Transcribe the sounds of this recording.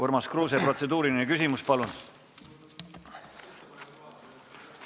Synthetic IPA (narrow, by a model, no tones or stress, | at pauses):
ormɑskruːs̬epro̞t̪se̞d̪uːɾininekysimuspɑlun